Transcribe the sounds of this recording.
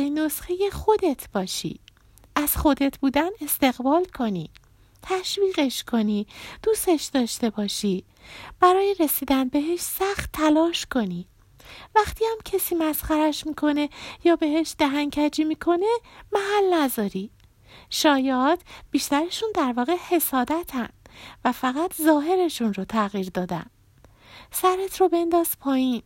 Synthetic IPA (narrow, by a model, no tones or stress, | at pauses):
ino̞sxejexo̞d̪e̞t̪ʰb̥ɒːʃḭ | ʔæz̥xo̞d̪e̞t̪ʰbuːd̪æne̞st̪e̞ɣbɒːlkʰo̞nḭː | t̪ʰæʃviːɣe̞ʃkʰo̞nid̪̥uːst̪e̞ʃd̪ɒːʃt̪e̞bɒːʃi | b̥æɾɒːjeɾesiːd̪ænbe̞ɦeʃsæxt̪ʰːælɒːʃkʰo̞ni | væxt̪ʰiːæmcʰesiːmæsχæɾæʃmiːkʰo̞ne̞jɒːbe̞heʃd̪æɦæŋcʰæd͡ʒiːmiːkʰo̞ne̞mæɦælnæzɒːɾi | ʃɒːjɒt̪b̥iːʃt̪æɾeʃund̪æɾvɒːɣehe̞sɒːd̪æt̪ʰænd̥̪væfæɣæt̪ʰzɒːɦe̞ɾe̞ʃunrot̪ʰæɣiːɾd̪ɒːd̪æ̰n | sæɾet̪ʰrobe̞nd̪ɒːz̥pʰɒːjiːn